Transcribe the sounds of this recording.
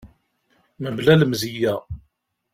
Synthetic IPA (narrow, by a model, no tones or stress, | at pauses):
məblæləmzijæ